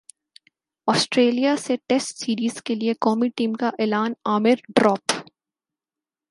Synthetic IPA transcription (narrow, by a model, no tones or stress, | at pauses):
ɔːsʈɾeːlijaseʈesʈsiːɾiːzkeliekɔːmiʈiːmkaʔeːlaːnaːmɪɾɖɾɔːp